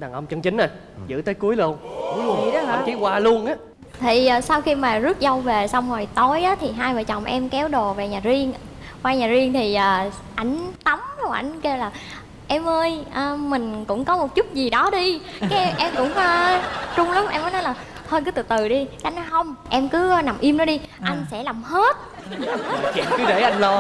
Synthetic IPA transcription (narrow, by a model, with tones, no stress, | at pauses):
ɗaː˨˩ŋʔə˧wŋ͡mt͡ɕə˧ŋt͡ɕï˨˦ŋ̟na˨˩ | zɨ̰˧˥t̪əː˨˦jku˨˦əjlu˧əŋi˨˦˨i˨˧˦ki˨˦waː˧lu˧ənʔaː˨˦ | t̪ʰiː˨˩˨sa˧wxi˧maː˨˩zɨ˦˥ət̚zə˧wve˨˩sa˧wŋ͡mzɔ˨˩jt̪o˨˦jʔaː˨˦t̪ʰi˨˩ɦaː˧jvəː˨˩jt͡ɕə˨˩wŋ͡mʔɛ˧mkɛ˨˦wɗo˨˩ve˨˩ɲaː˨˩zi˧əŋ | kwaː˧ɲaː˨˩zi˧əŋt̪ʰi˨˩ʔəː˨˩ | ʔa˧˩jŋ̟t̪a˨˦m˧˩wʔa̰˧˩jŋ̟ke˧wlaː˨˩ | ʔɛ˧mʔəː˧jʔəː˧mï˨˩ŋ̟kʊ̰˧˥ŋ͡mkɔ˨˦mo˨˩t̚t͡ɕʊ˦˥t̚zi˨˩ɗɔ˨˦ɗi˧kaː˨˦˧ʔɛ˧mkʊ̰˧˥ŋ͡məː˧t͡ɕʊ˧ŋ͡mla˨˦mʔɛ˧mːəː˨˦jnɔ˨˦jlaː˨˩ | t̪ʰo˧jkɨ˨˦t̪ɨ̰˧˨t̪ɨ˨˩ɗi˧ka˨˦a˧˨jnɔ˨˦jɦə˧wŋ͡mʔɛ˧mkɨ˨˦˧na˨˩mʔi˧əmnɔ˨˦ɗi˧ʔa˧jŋ̟sɛ̰˧˥laː˨˩mhe˦˥t̚ | la˨˩mhɗe˧˩jʔa˧jŋlo˧